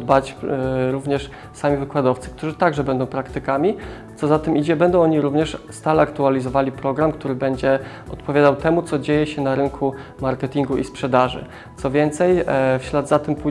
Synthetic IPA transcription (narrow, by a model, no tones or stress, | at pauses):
d̪bat͡ɕɾuvɲɛʂ | samʲivɘkwad̪ɔft̪sɘ̥k̚t̪uʐɘt̪aɡʐɛbɛnd̪ɔ̃w̃pɾakt̪ɘkamʲi | t̪sɔzat̪ɘmʔid͡ʑɛbɛnd̪ɔ̃ɔɲiɾuvɲɛʂst̪alɛakt̪ualʲizɔvalʲipɾɔɡɾamkt̪uɾɘbɛɲd͡ʑɛ | ʔɔt̪pɔvʲad̪awt̪ɛmut̪sɔd͡ʑejɛɕɛnaɾɘŋkʰumaɾkɛt̪ʲiŋɡuʔispʂɛd̪aʐɘ̰ | t̪sɔvʲjɛnt̪sɛjfɕlad̪zat̪ɘmpu